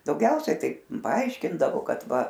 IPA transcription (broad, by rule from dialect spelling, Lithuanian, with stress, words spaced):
dɐʊˈɡʲɛʊsʲɛ ˈtɐɪ pɐˈɐɪʃʲkʲɪndɐʋoː ˈkɐt ˈʋɐ